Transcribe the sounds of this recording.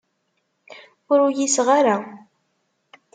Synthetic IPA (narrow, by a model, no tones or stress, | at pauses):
ʊɾʊjisʁaɾa